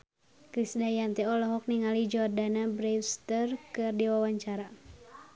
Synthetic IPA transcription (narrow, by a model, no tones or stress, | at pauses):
kɾisdajant̪ɛɔlɔɦɔk̚niŋalid͡ʒɔrdanabɾɛwst̪ərkɨrdiwawaɲt͡ʃaɾa